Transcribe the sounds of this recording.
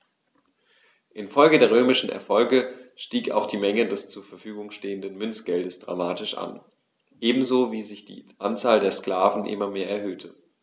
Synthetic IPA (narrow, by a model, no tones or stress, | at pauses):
ʔɪnfɔlɡədeːɐʁ̞øːmɪʃn̩ʔɛ̰ɐfɔlɡəʃtiːka̰ʊxd̥iːmɛŋədɛst͡suːɐfɛɐfyːɡʊŋʃteːəndənmʏnt͡sɡ̥ɛldəsd̥ʁa̰maːtɪʃʔa̰n | ʔeːbm̩zoːviːzɪçd̥ḭːʔant͡saːldeːɐskl̥aːvn̩ʔɪ̰mɐmeːɐʔɛɐɦøːtʰə